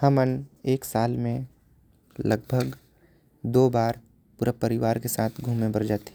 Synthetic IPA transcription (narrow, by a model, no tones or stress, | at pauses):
həməneːksaːlmẽ | lɐɡ̚bʱəɡ | d̪oːbaːɾ | pʊɾapɐɾɪʋaːɾkesaːt̪ʰɡʱuːmẽbɐɾd͡ʒaːt̪e